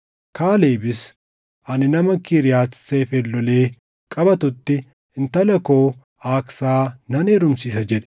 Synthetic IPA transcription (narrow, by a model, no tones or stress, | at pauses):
kaːle̞ːbɪs | ʔɐnɪnɐmɐkiɾɪjaːt̪seːfɛlːɔle̞ː | kʼɐbɐt̪ʊt̪ːɪ | ɪnt̪ɐlɐko̞ː | aːksaːnɐneːɾʊmsiːsɐd͡ʒɛᶑɛ̥